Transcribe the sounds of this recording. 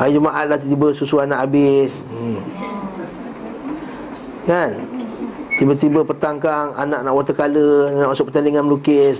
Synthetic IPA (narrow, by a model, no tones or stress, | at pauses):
ʔad͡ʒumaʔat̪̚laht̪t̪ibəsusuanaʔabɪs | kan | t̪ibət̪ibəpət̪aŋkaŋa̰naʔnaʔwat̪əkalənaʔasɔʔ̚pət̪andiŋanməlukɪs